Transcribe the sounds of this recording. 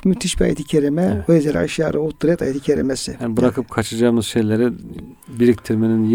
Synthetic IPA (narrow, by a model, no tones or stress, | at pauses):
myt̪ʰiʃbia̰jet̪ʰi̥cʰeɾimɛojezɛl̰ʲa̰ʃjaɾɯut̪ːuɾɛt̪ʰajet̪ʰicʰeɾḭmɛsɪjanbɯɾakʰɯp̚kʰat͡ʃʰad͡ʒaːmɯzʃejlʲeɾɛ | biɾik̚t̪ʰiɾmeninj